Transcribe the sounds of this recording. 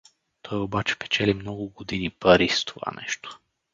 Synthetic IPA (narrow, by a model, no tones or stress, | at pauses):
t̪ʰɔjobat͡ʃɛ̥pɛ̥t͡ʃɛlimnɔɡʊɡod̪inipaɾist̪ʰova̰nɛ̰ʃt̪o̥